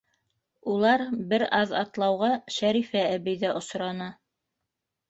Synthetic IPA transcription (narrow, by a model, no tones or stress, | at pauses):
ulˠɑɾbɘɾɑðɑt̪lˠɑwʁɑʃæɾifææβɘ̆jðæʔŏsɾɑnɑ